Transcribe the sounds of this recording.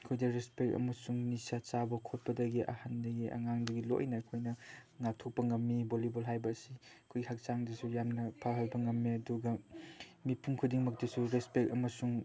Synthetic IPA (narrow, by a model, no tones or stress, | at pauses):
kʰojdɐɾespek̚ɐ̰mɐsuŋnisat͡ʃabɐkʰot̚pɐdɐɡiʔɐ̰handɐɡiʔɐ̰ŋaŋdɐɡilo̰jnɐkʰojnɐŋak̚tʰok̚pɐŋɐmːibolibolɦajbɐːsikʰojɡihak̚t͡ʃaŋdɐsujamnɐpʰaɦɐlbɐŋɐmːiɐduɡɐmipʰuŋkʰudiŋmɐk̚tɐsuɾespek̚ɐmɐsuŋ